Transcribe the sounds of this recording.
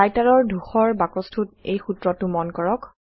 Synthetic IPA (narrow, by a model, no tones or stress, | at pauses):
ajtaɹɔɹdʱuxɔɹbakɔstʰut̚ḛjxutɹɔtʊmɔnkɔɹɔk